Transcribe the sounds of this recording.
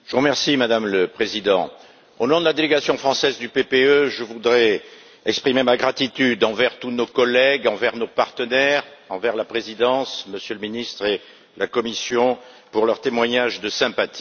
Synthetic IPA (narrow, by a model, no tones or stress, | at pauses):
ʒ̥əuʁəmɛʁsimad̪amləpχezid̪ɑ̃ | onɔ̃d̪əlad̪eleɡasjɔ̃fχɑ̃sɛzd̪ypepeøʒəvud̪ʁɛ | ɛkspχimemaɡʁat̪it̪yd̪ɑ̃vɛʁt̪unokɔlɛɡɑ̃vɛʁnopaʁt̪ənɛʁɑ̃vɛʁlapχezid̪ɑ̃sməsjøləminist̪χe | lakɔmisjɔ̃ | puʁlœʁt̪emwaɲaʒd̪əsɛ̃pat̪ʰi̥